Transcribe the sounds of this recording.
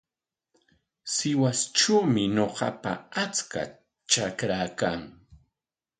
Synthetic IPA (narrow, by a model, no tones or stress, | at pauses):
sɪwasʈ͡ʂuːmɪɲoɢɑ̰pa̰at͡ska̰ | t͡ʃakɾakaŋ